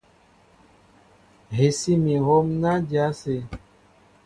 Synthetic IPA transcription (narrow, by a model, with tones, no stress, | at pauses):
ɦe˨si˦mĩ˨ɦɔ˦mna˦d͡ʒja˨˦se˨